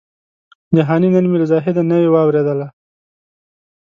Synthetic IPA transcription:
d̪əɦɑninanmilzɑɦɪd̪anawewɑwɾed̪əla

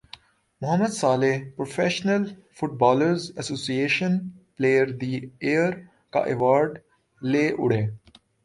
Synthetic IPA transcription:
mʊɦəmːəd̪saːlepɾofeʃnəlfʊʈ̚bɔːləɾzɐsoːsieːʃə̃npleːəɾd̪ieːəɾ | ka̰ʔeʋaːɾɖ | leːʔʊ̰ɽeː

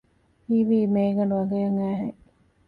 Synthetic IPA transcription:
iːʋiːmeːɡɐɳɖuʋɐɡɐjɐŋæːɦḛ

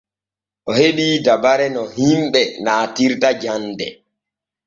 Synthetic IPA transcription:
ʔɔheɓidabaɾɛnɔhimɓɛnaːtiɾtad͡ʒandɛ̰

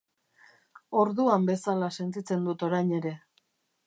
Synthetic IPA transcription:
o̞ɾðuambe̞salase̞nt̪it͡se̞nd̪ut̪o̞ɾajɲe̞ɾe̞

